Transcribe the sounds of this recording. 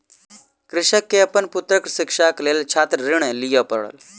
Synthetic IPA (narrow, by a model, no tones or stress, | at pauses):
kɾɪʃəkːeɐpənpʊt̪ɾəksɪkʃakleːlt͡ʃʰaːt̪ɾɾɪɽ̃elijapə̰ɽə̰l